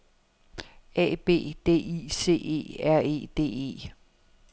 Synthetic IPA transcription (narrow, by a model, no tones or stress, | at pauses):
ɛ̰ːb̥e̝̰ːd̥e̝̰ːḭːse̝̰ːe̝̰ːæɐ̰e̝̰ːd̥e̝̰ːe̝̰ː